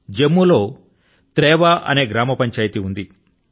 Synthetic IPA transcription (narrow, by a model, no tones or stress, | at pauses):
d͡ʒemːulo̞ː | t̪ɾɛːʋaʔɐ̰ne̞ːɡɾaːmɐpɐɲt͡ʃaːjt̪iund̪i